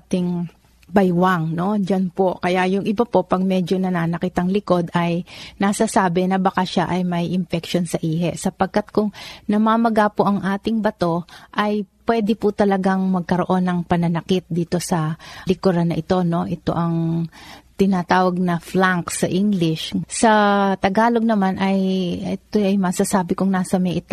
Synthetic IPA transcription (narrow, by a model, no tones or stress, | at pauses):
at̪ɪŋ | bɐjwaŋno̞d͡ʒanpo̞kɐjaʔjʊŋʔɪbɐpo̞pɐɡ̚mɛd͡ʒo̞nɐnaːnɐkit̪ɐŋlɪko̞d̪ɐjnasɐsaːbɛnɐbɐkaʃaʔɐjmɐjʔɪmpɛkʃo̞nsɐʔiːɦɛʔsɐpɐɡ̚kat̪̚kʊŋnɐmaːmɐɡapoʔɐŋʔaːt̪ɪŋbɐt̪o̞ʔɐjpwɛːd̪ɪpʊt̪ɐlɐɡaŋmɐɡ̚kɐɾo̞ʔo̞nːɐŋpɐnɐnɐkɪt̪̚d̪iːt̪o̞sɐlɪkoɾɐnɐʔɪt̪o̞no̞ʔɛt̪o̞̰ʔɐŋ | t̪ɪnat̪aːwɐɡ̚nɐflaŋksɐʔiŋɡlɪʃsɐt̪ɐɡaːlo̞ɡ̚nɐmanʔɐjɛt̪oʔɐjmɐsasaːbɪkʊŋnaːsɐmɛʔɪt̪